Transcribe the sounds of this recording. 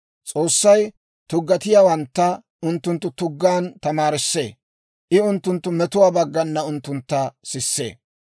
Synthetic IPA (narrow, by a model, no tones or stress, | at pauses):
t͡sʼo̞ːsːɐj | t̪ʊɡːɐt̪ɪjaːwɐnt̪ːɐ | ʊnt̪ːʊnt̪ːʊt̪ʊɡːaːnt̪ɐmaːɾɪsːe̞̰ː | ʔɪʊnt̪ːʊnt̪ːʊmɛt̪ʊwaːbɐɡːɐnːɐʊnt̪ːʊnt̪ːɐsɪsːe̞̰ː